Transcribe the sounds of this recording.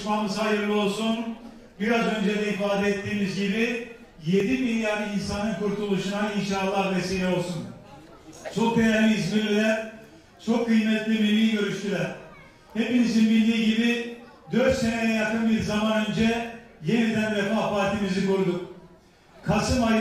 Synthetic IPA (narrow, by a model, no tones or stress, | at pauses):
ʃmamɯzhajɯɾlˠɯo̞lˠsun | biɾazø̞nd͡ʒɛd̪ɛifaːd̪ɛɛt̪ːiːmizɟibi | jed̪imilʲjaɾd̪ɯinsanɯnkʰuɾt̪ʰulˠuʃunainʃaːlˠːahvɛsejɛo̞lˠsun | sokʰeɾaɾiizmilʲilʲɛ | t͡ʃʰo̞kʰːɯjmɛt̪lʲimilʲiːɟø̞ɾyʃt̪ylɛɾ̥ | hepinizinbild̪iːɟibi | d̪øɾt̪se̞nɛɛjakʰɯnbiɾzamanø̞nd͡ʒɛje̞nid̪ænvɛfahpʰaːɾt̪ʰimizikuɾd̪uk | kʰasɯma